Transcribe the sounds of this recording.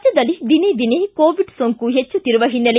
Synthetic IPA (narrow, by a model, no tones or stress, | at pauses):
d͡ʒɐd̪ɐlːid̪ined̪inekoːʋiɖsoːŋkuɦet͡ʃːut̪iɾuʋɐɦinːɐle